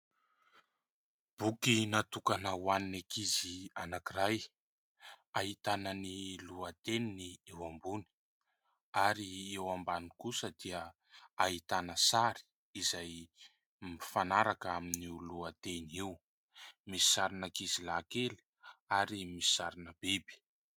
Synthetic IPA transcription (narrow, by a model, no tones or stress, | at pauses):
b̥ukinat̪ukanəwaninakizianakiɾaj | aɦit̪anəniluat̪eniniewambuni̥ | aɾiewambanikusəd̪̥iə | aɦit̪anəsaɾi̥ | izaj | mifanaɾakaminiuluat̪eniw | misi̥saɾinakizilakeli̥ | aɾimisi̥saɾinəb̥ebi̥